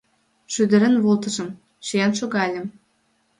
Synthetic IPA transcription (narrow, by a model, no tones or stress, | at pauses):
ʃyd̪ə̆ɾə̆nβolˠt̪ə̆ʒə̆m | ʃejɑnʃoɣɑlʲə̆m